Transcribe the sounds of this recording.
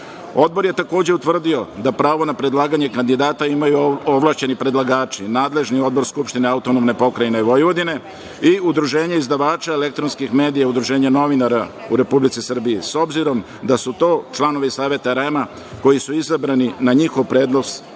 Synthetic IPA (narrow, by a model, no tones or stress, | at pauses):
o̞d̪̚bo̞ɾje̞t̪ako̞ːd͡ʑeut̪ʋr̩d̪io̞d̪apɾaːʋo̞napɾe̞d̪lˠaːɡaɲe̞kand̪id̪aːt̪aimajuoʋlˠaʃt͡ɕe̞nipɾe̞d̪lˠaɡaːt͡ʃinaːd̪le̞ʒnio̞d̪̚bo̞ɾskupʃt̪ine̞aut̪onomne̞po̞kɾajineiʋo̞jiʋo̞d̪ine̞ | iud̪ɾuʒe̞ːɲeizd̪aʋaːt͡ʃaele̞kt̪ɾo̞nskixme̞ːd̪ijaud̪ɾuʒe̞ːɲano̞ʋinaɾa | uɾe̞publit̪sisr̩biiso̞bziɾo̞m | d̪asut̪o̞ːt͡ʃlˠano̞ʋisaːʋe̞t̪aɾema | ko̞jisuizabɾaninaɲixo̞ʋpɾe̞ːd̪no̞s